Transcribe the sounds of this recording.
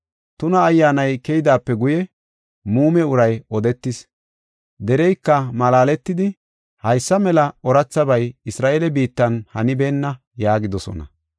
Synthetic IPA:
t̪ʊnɐːjːaːnɐjkɛjɪd̪aːpːɛɡʊjɛ | muːmɛʊɾɐjɔd̪ɛt̪ːɪs | d̪ɛɾɛjkːɐmɐlaːlɛt̪ːɪd̪ɪ | hɐjsːɐmɛlɐɔɾɐt͡sːɐbɐjɪsɾaːʔelɛbiːt̪ːɐnhɐnɪbeːnːɐ | jaːɡɪd̪ɔsɔ̰nɐ̰

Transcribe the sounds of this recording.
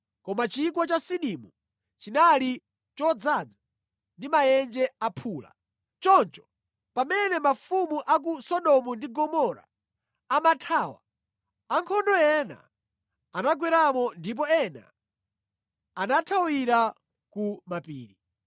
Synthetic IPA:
kɔmat͡ʃik̬wɔt͡ʃasiɗimu | t͡ʃinali | t͡ʃɔd͡zad͡zḁ | ndimajɛnd͡ʒɛapʰuːla̰ | t͡ʃɔnt͡ʃɔ̥ | pamɛnɛmafumuʔak̬usɔɗɔmundiɡɔmɔɾa̰ | amatʰaːwa̰ | aŋkʰɔndɔjɛna̰ | anaɡwɛɾamɔndip̬ɔɛna̰ | anatʰawiɾa | kumapiːɾi

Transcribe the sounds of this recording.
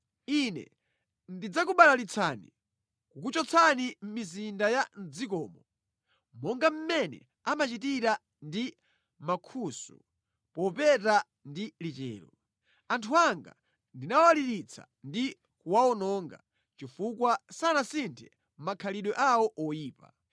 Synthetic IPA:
inɛ̰ | ndid͡zakuɓalalit͡sʰanḭ | kukut͡ʃɔt͡sʰanim̩mizindajan̩d͡zikɔːmɔ | mɔŋɡam̩mɛnɛ̰ | amat͡ʃit̬iɾa | ndi | makʰusṵ | pɔpɛta | ndilit͡ʃɛ̰ːɾɔ | antʰuaŋɡa̰ | ndinawwaliɾit͡sʰa̰ | ndi | kuwaɔnɔŋɡa̰ | t͡ʃifukwasanasintʰɛ | m̩makʰaliɗwɛʔawɔʔɔjiːpa̰

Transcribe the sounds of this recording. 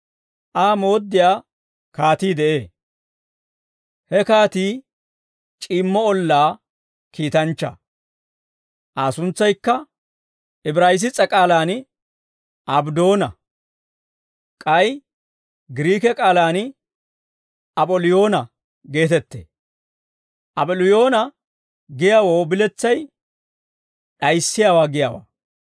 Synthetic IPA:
ʔaːmo̞ːd̪ːɪjaː | kaːt̪iːd̪ɛʔeː | hɛkaːt̪iː | t͡ʃʼɪːmːɔɔlːaː | kiːt̪ɐnt͡ʃːɐ̰ | ʔaːsʊnt͡sːɐjkːɐ | ɪbɾaːjɪs̬ɪt͡sʼːɐkʼaːlaːnɪ | ʔɐbd̪o̞ːnɐ | kʼɐj | ɡɪɾiːkɛkʼaːlaːn | ɐpʼɔlɪjo̞ːnɐ | ɡe̞ːt̪ɛt̪ːḛː | ʔɐbɔlɪjo̞ːnɐ | ɡɪjawoːbɪlɛt͡sːɐj | ɗɐjsːɪjaːwaːɡɪjaːwa̰ː

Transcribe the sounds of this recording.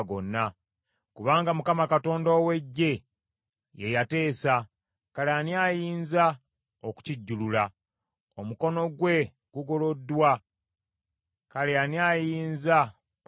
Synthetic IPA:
ɡo̞̰nːa | kuβaːŋɡamukamakato̞ːndaːwe̞ɟːe̞ | je̞jate̞ːsa | kaleaniaːjiːnza | oku̥ciɟːulula | omuko̞no̞ɡwe̞ | ɡ̥uɡo̞lo̞dːwa | kaleanjaːjiːnza

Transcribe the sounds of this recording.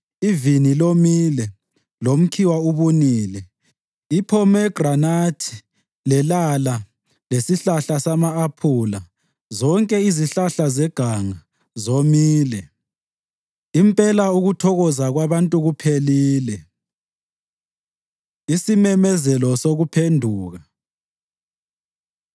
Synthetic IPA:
ivinilomilɛ | lom̩kʰiwauβuniːlɛ | ipʰɔmɛɡ̥ranatʰi̥ | lɛlala | lesiɬaɬasamaːpʰula | zɔŋkʼɛiziɬaɬazɛɡ̥ʱaŋa | zomiːlɛ | impʼɛlauɣutʰɔɣɔzaɣwaβantʼuɣupʰeliːlɛ | isimɛmɛzɛlɔsoɣupʰendʱuːɣa

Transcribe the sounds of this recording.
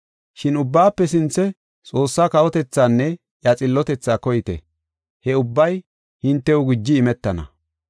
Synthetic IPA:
ʃɪnʊbːaːpːɛsɪnt͡sːɛ | t͡sʼo̞ːsːaːkɐwɔt̪ɛt͡sːaːnːɛ | jɐt͡sʼɪlːɔt̪ɛt͡sːaːkɔjɪt̪ɛ̰ | hɛʊbːɐj | hɪnt̪ːɛʊɡɪd͡ʒːɪːmɛt̪ːɐnɐ̰

